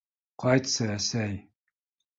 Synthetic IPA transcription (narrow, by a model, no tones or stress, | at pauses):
qʰɑjt̪saæsæj